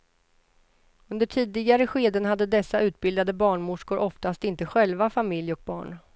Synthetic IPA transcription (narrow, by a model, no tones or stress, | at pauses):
ɵnd̪əʈʰiːd̪ɪɡaɾəɧeːd̪ənhad̪ːəd̪ɛsːaʉ̟ːt̪̚bɪld̪ad̪əbɑːɳmʊʂkʊɾʔɔft̪ast̪ɪnt̪əɧɛlvafamɪljɔk̚bɑ̰ːɳ